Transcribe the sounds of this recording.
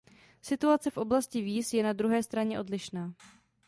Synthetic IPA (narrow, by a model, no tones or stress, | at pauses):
sɪt̪uat͡sɪfʔo̞blascɪviːsjɛnad̪ɾuɦɛːst̪ɾaɲɛʔo̞dlɪʃnaː